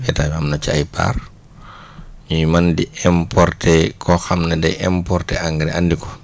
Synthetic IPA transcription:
ɛtaːmamnɐt͡ʃiɐjpʰa̰r | ɲujmandiɛmpʰɔrtʰɛkʰɔxɐmnɛdɛjʔɛmpɔrtɛaŋɡɾɛʔandikɔ̥

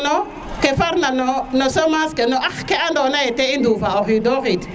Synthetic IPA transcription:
no | kefaɾnanonosomaskenoʔaxkeandonajeteindufaoxidoxit

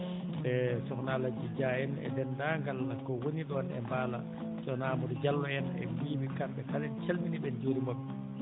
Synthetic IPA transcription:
ɓɛsɔknalad͡ʒid͡ʒajɛnɛ̰dɛndaŋɡalakɔwoniɗɔnɛ̰mbaːla̰ | t͡ʃɔnaːmudid͡ʒalːɔɛnɛ̰wiːɓikamɓɛkalɛnt͡ʃalminiɓɛnd͡ʒoːɾimɔɓɛ

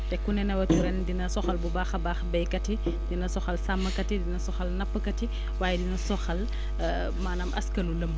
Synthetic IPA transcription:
tɛkːunɛnɐwɐtuɾɛndinɐsɔxɐlbubaːxɐbaːxbɛjkɐti | dinɐsɔxɐlsamːɐkɐtidinɐsɔxɐlnɐpːəkɐti | waːjɛdinɐsɔxɐl | maːnɐmʔɐ̰skɐlulɐm

